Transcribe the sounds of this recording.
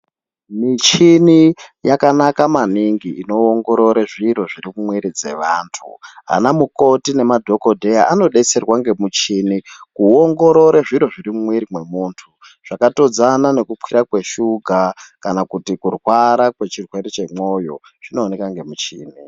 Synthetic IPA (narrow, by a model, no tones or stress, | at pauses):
mit͡ʃinijakanakamaniŋɡiino̞oŋɡo̞ɾo̞ɾeʐiɾo̞ʐirimumwiɾid͡ze̞ʋaːntʰṵa̰namuko̞tine̞madʱoko̞dʱe̞jaʔano̞ɗet͡se̞rwaŋɡemut͡ʃinikuoŋɡo̞ɾo̞ɾeʐiɾoʐiɾimumwiɾimwe̞muːntʰu | ʐ̥akato̞d͡zanane̞kupwiɾakwe̞ʃuɡʱakanakutikurwaɾakwe̞t͡ʃirwe̞ɾit͡ʃe̞mo̞jo̞ | ʐ̥ino̞ːne̞kaŋɡe̞mut͡ʃḭːni